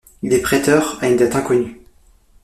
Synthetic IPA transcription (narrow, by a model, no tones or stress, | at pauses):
lepχɛt̪œʁaynd̪at̪ɛ̃kɔny